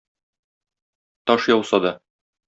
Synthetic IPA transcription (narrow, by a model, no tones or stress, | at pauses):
t̪ɒʃjɒwsɑd̪ɒ